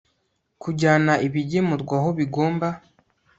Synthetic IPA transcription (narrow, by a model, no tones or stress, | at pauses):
kuɟaːnaiβiɟemuɾɡwaɦoβiɡo̞ːmba